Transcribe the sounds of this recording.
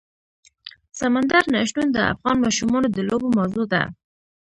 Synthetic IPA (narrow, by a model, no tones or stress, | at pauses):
samand̪aɾnaʃʈund̪əa̰fɣɑnmɑʃumɑnod̪əlobomawzod̪a̰